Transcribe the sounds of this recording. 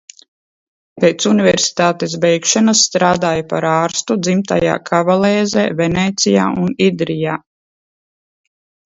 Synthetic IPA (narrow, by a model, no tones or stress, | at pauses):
peːt̪sunivɛɾsi̥t̪aːt̪esbɛjkʃanasːt̪ɾaːd̪aːjapa̰ɾaːɾst̪ud̪zimt̪a̰ja̰ːkʰavalɛːzɛːvɛnɛːt̪sija̰ːunid̪ɾijaː